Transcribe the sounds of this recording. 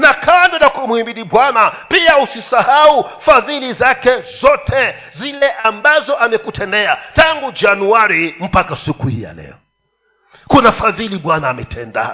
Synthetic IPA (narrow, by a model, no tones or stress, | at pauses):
nakandɔnakumuhimiɗiɓwanapiausisahaufaðilizakɛzɔtʰɛ | zilɛʔambazɔʔamɛkutʰɛndɛataŋɡud͡ʒanuaɾim̩pakasikuhḭja̰lɛ̰ɔ | kunafaðiliɓwanaːmɛtʰɛnda̰